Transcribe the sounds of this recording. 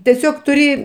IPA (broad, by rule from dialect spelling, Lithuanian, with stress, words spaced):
tʲɛˈsʲoːk tʊˈrʲɪ